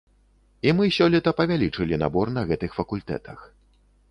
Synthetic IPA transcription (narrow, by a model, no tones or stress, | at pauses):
imɨsʲɔlʲit̪ɐpɐvʲalʲit͡ʂɨlʲina̰bɔrnɐɣɛt̪ɨxfɐkulʲt̪ɛ̰t̪ɐx